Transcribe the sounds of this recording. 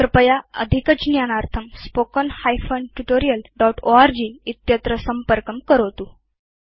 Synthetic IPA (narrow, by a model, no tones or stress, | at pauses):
ɾəpəjaə̰d̪ʱikət͡ɕinjanaɾt̪ʰəmspokənhajfənʈuʈoɾijəlɖɔʈoaɾd͡ʑiːit̪jət̪ɾəsəmpəɾkəmkəɾot̪uː